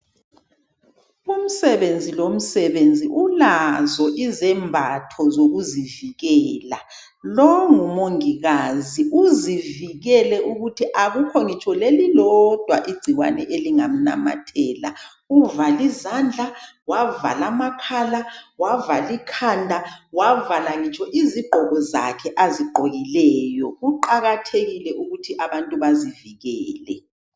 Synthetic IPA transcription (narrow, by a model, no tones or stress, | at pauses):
um̩sɛβend͡zʱilom̩sɛβend͡zʱiʔulazɔʔizɛmbʱatʰɔzoɣuziviɣɛːla | lɔŋumoŋiɣaziʔuziviɣɛlɛʔuɣutʰiʔaɣukʰoŋit͡ʃʰʼɔlelilɔd̥ʱwa̰ʔiɡ͡ǀʱiɣwa̰nɛʔeliŋam̩na̰ma̰tʰɛːla̰ | uvalizand͡ɮʱa | wava̰lamakʰalawavalikʰandʱawavalaŋit͡ʃʰʼɔʔiziɡ͡ǃʱɔɣɔza̰kʰɛʔaziɡ͡ǃʱoɣilɛːjɔɣuǃaɣatʰeɣilɛʔuɣutʰiʔaβantʼuβaziviɣɛːlɛ̰